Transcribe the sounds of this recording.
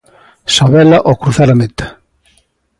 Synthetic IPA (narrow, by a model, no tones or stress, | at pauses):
saβɛlɐʔɔkɾuθaɾamet̪ḁ